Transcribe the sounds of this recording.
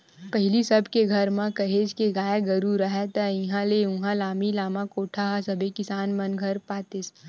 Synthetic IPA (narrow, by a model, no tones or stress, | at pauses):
pɐɦlisɐbʱkeɡʱɐɾmãkɐɦeːd͡ʒkeɡaːjeɡɐɾuɾɐɦɛt̪ɐɪ̃ɦãleũɦãlaːmilaːmãkoːʈʰaɦasɐbʱekɪsaːnmɐnɡʱɐɾpaːt̪ɪs